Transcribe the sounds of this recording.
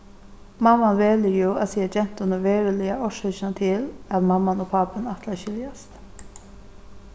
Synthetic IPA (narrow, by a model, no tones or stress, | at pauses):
mamːanʋeːlɪɾjuaðsiːad͡ʒɛn̥t̪ʊnʊʋeːɹɪlɪaɔʃɛt͡ʃɪnat̪ʰɪlæðmamːanopʰaːpanat̪ʰlaʃɪljast̪